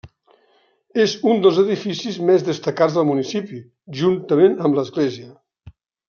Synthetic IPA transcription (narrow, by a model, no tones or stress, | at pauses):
ezund̪əlˠzəðifisizmezðəst̪əkad͡zzðəlˠmunisipi | ʒunt̪əmenəmləzɣleziə